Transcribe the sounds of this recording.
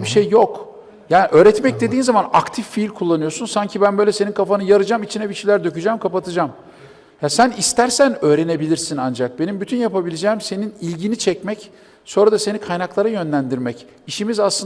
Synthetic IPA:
biʃejːo̞k | jaːniʔø̞ːɾɛt̪mɛc̚d̪e̞d̪iːnzamanakt̪ʰifːiilʲkʰulˠːanɯjo̞sunsaɲcʰibænbølʲɛseninkʰafanɯjaɾɯd͡ʒamit͡ʃʰinɛbiʃijlʲæɾd̪ø̞cyd͡ʒɛmkʰapat̪ʰɯd͡ʒam | jasænist̪æɾsænø̞ːɾe̞ne̞bilʲiɾsinand͡ʒak̚be̞nimbyt̪ʰynjapabilʲed͡ʒɛːmse̞ninilʲɟinit͡ʃʰɛcmɛc | so̞nɾad̪ase̞nikʰajnaklˠaɾajø̞nlʲænd̪iɾmɛc | iʃimizaslˠɯ

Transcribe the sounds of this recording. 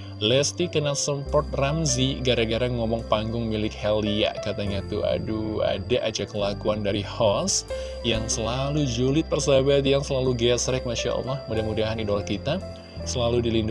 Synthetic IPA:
lɛst̪ikənalsəmpɔrt̪̚ramziɡaɾaɡaɾaŋŋɔmɔŋpaŋɡʊŋmilɪkhɛlia̰kat̪aɲat̪ua̰dua̰daʔad͡ʒakəlakuandaɾihɔs | jaŋsəlalud͡ʒulɪt̪̚pərsabat̪jaŋsəlaluɡɛsɾɛk̚maʃa̰ʔa̰lːɔhmudahmudaɦanidɔlakit̪a | səlaludilindʊ

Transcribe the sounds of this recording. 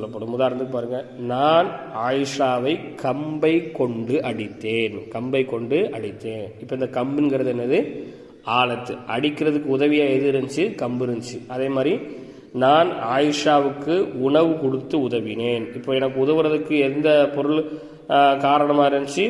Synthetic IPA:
sɔlːɐpːɐɽɯmʊðaːɾnd̪ɯkːɯpaːɾɯŋɡɐnaːnaːjɪʂaːʋɐɪkʰɐmbɐɪkːɔɳɖɯʔɐɽɪt̪ːeːnkɐmbɐɪkːɔɳɖɯʔɐɽɪt̪ːeːnɪpːoɪnd̪ɐkɐmbɪnɡɪɾɐðɯɛnːɐðɯ | aːlɐt̪ːɯʔɐɽɪkːɪrɐðɯkːɯʊðɐʋɪjaːɛðɯɾɐɲd͡ʒɯkɐmbɪɾɯnt͡ʃɯʔɐðeːmaːd̪ri | naːnaːjɪʂaːʋɯkːɯʊɳɐʋɯkɔɽɯt̪ːɯʊðɐʋɪneːnɪpːoːɛnɐkːɯʊðɐʋɯɾɐðɯkːɯɛnd̪ɐpɔɾɯɭ | kaːɾɐɳɐmaːɪɾɐnt͡ʃɯ

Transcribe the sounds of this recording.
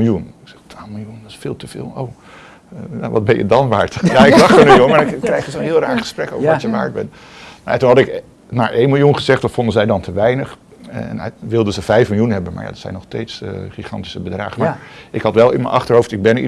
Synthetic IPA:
lˠjunɪksɛχtʋaːlˠmɪlˠjundsfɪːlˠtəv̥ɪ̰ːlˠo̰w | ja̰ʋɑd̚bɛjə̰dɑnʋaːɹtjaɪkdɑχənyjoŋənɪkːrɛjχəzənɦɪːlˠraːɹχə̥sprɛko̰wvəɹʋɔtjəʋa̰ːɹ̚bɛn | naatunɦɑtɪk | na̰ːɹʔejnmɪlˠjunχəzɛχttfɔndəzɛjdɑntʰəʋɛjnəχ | n̰ʋɪlˠdəzəvɛjfmɪlˠjunnɦɛbənma̰ɹja̰ːdɑtsɛ̰jnɔχstejtsχiχɑ̰ntisəbədra̰ːχəmaɹʔɪkɦɑtʋɛlˠɪmə̰ʔɑ̰χtərɦowftɪɡ̚bɛnḭ

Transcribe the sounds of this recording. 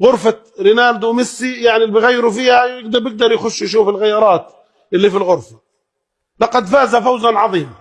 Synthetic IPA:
ɣʊɾfa | ɾɪnaːld̪wmɪsːijaʕnilːbijɣajːɪɾufiːhajɪɡd̪ɑbjɪɡ̚d̪ɑɾˤjxʊʃːjʃuːfɪlɣajːɑɾˤɑːt̪ | ʔɪlːifilɣʊɾfḁ | lɑqɑd̪faːzafawzanʕɑðˤiːma

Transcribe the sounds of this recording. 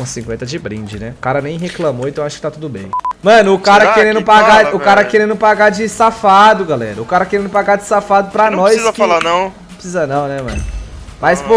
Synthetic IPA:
ũsĩŋkwẽnt̪ɐd͡ʒɪbɾĩd͡ʒɪnɛkaɾɐnẽj̃ɦeklɐ̃moẽt̪ɐ̃w̃aʃʊ̥kɪt̪at̪ud̪ʊbḛ̃j̃mɐ̃nʊːkaɾɐkeɾẽnd̪ʊpaɡaʊkaɾɐkeɾẽnd̪ʊpaɡad͡ʒɪsafad̪ʊɡalɛ̰ɾɐʊkaɾɐkeɾẽd̪ʊpaɡad͡ʒɪsafad̪ʊpɾɐnɔjsiɐkfalanɐ̃w̃ | pɾsizɐnɐ̃w̃nɛmɐ̰̃nʊmajspo

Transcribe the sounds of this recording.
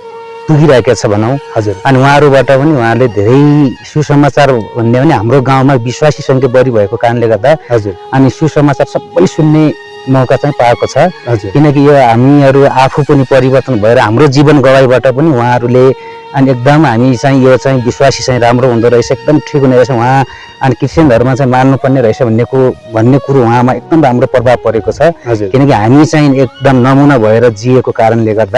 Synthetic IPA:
t̪uɡiɾʌɦekjat͡sʰʌbʱʌnaw̃d͡zuʌniwɦãʌɾubaʈʌpʌniw̃ɦãʌɾuled̪ʱeɾʌjsusʌmat͡sarbʱunːebʱʌniɦamroɡãw̃mabiswasisʌŋɡebʌɾibʱʌekokaɾʌnleɡʌrd̪ad͡zʌnisusʌmat͡sarsʌbːʌjsunːe | mʌkat͡saĩpaekot͡sʰʌkinʌk̬ijoɦamiʌɾuapʰupʌnipʌɾibʌrt̪ʌnbʱʌeɾʌɦamrod͡zibʌnɡʌwajbaʈʌpʌniwɦãʌɾule | ʌniek̚d̪ʌmɦamit͡saĩjot͡saĩbiswasi̥t͡sãĩɾamroɦũnd̪oɾʌɦet͡sʰʌek̚d̪ʌmʈʰikoneesʰʌɦwɦã | ʌnikirsend̪ʱʌɾumat͡saĩmanːupʌrneɾʌɦet͡sʰʌbʱʌnːekobʱʌnːekuɾoɦuɦãmaek̚d̪ʌmramropʌbʱab̚kʌɾekot͡sʰʌd͡zkinʌkiɦamit͡saĩek̚d̪ʌmnʌmunʌbʱʌeɾʌd͡ziekokaɾʌnleɡʌrd̪a

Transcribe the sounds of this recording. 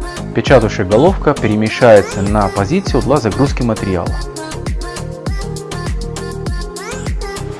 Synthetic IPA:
pʲɛt͡ɕat̪ʊʂəjəɡɐlˠo̞fkəpʲɪɾʲɪmʲɪʂajɪt̪sənɐpɐzʲit̪sɨjʊd̪lˠazɐɡɾuskʲɪmət̪ʲɪɾʲɪa̰lˠə̰

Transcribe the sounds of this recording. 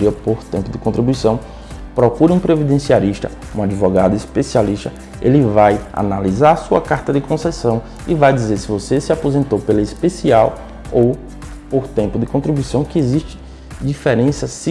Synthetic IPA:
iɐpoɾt̪ẽmpʊd̪ɪkõnt̪ɾibujsɐ̃w̃ | pɾɔkuɾiũpɾevid̪ẽsialiʃt̪ɐ̰ | ũad͡ʒivɔɡad̪ʊispesialiʃt̪ɐ | elɪvaja̰nalizaɾasuɐ̰kaɾt̪ɐd̪ɪkõsɛsɐ̃w̃ | ɪvajd̪izeɾsɪvosesɪapozẽnt̪owpelɐispesiaw | ow | poɾt̪ẽmpʊd̪ɪkõnt̪ɾibuisɐ̃w̃kɪeziʃt͡ʃɪ̥ | d͡ʒifɛɾẽsɐsi

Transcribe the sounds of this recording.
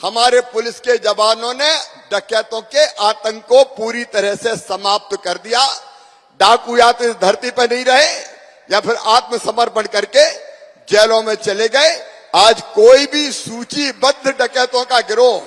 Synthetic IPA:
həmaːɾepʊlɪsked͡ʒəbaːnõneɖəkɛːt̪õkeʔaːt̪ə̃ŋkːopuːɾit̪əɾəɦsesəmaːp̚t̪kəɾd̪ija | ɖaːkujaːt̪ɪsd̪ʱəɾt̪ipənɐɦĩɾəɦe | japʰɪɾaːt̪msəməɾpəɳkəɾke | d͡ʒɛːlõmẽt͡ʃəleɡəeaːd͡ʒkoːibʱisuːt͡ʃibəd̪ʱɖəkɛːt̪õkaɡɪɾo

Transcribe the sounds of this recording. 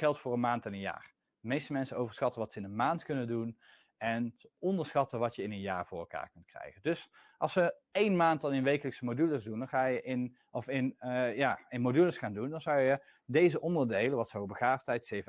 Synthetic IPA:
χɛlˠtfʊːrənmaːntɛnənja̰ːr | dəmejstəmɛnsənowvəɹsχɑtəʋɑtsəɪnənmaːntkɵnəndun | ɛnɔndəɹsχɑtəʋɑtjəɪnənja̰ːɹvʊːɹɛlˠka̰ːɹkɵnt̚krɛ̰jχəndɵs | ʔɑ̰lˠsʋəejnmaːntdɑnɪnʋejkələksəmodyləsdundɑnχaːjəʔɪn | ɔfɪnjaːɪnmodyləsχaːndundɑnzawjə | dejzəʔɔndəɹdejləʋɑtsəobəχaːftɛjtsejvə

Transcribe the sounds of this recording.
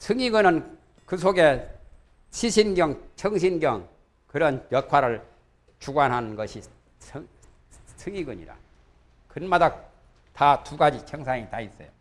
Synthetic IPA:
sʰɯŋiɡɯnɯn | kɯsʰoɡe̞ | t͡ɕʰiɕʰinɡjʌŋt͡ɕʰʌŋɕʰinɡjʌŋ | kɯɾʌnjʌkʰwaɾɯɭ | t͡ɕuɡwanɦanɯnɡʌɕʰi | sʰ | sʰɯŋiɡɯɲḭɾa̰ | kɯnmada | tatuɡad͡ʑit͡ɕʰʌŋs̬ʰaŋitais͈ʌjo

